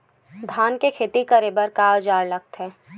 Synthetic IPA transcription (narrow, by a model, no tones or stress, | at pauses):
d̪ʱaːnkekʰeːt̪ikəɾebəɾkaːd͡ʒaːɽlɐk̚t̪ɦɛː